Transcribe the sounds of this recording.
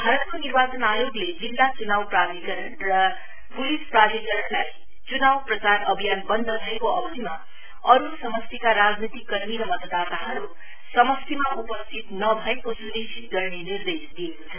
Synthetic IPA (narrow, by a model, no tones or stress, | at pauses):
bʱaɾʌt̪̚konirbat͡sʌnajoɡled͡zilːat͡sunawpradikʌɾʌnrʌ | pulispratikʌɾʌɳlaj | t͡sunawprʌt͡saɾʌbʱijanbʌnd̪ʱʌd̪ʱʌekoʌbʌd̪ima | ʌɾusʌmʌst̪ikaɾad͡znit̪ikːʌrmiɾʌmʌt̪ʌd̪at̪aɦʌɾu | sʌmʌst̪ʰimaupʌst̪ʰit̪nʌbʱʌekosunisʰit̪̚ɡʌrnenird̪esd̪ijekot͡sʰʌ